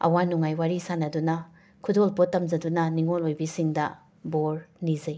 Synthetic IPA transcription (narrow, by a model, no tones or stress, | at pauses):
ɐ̰wanuŋajwaɾisanɐdunɐ | kʰudolpotːɐmd͡ʒɐdunɐniŋolojbisiŋdɐ | boɾnizɐj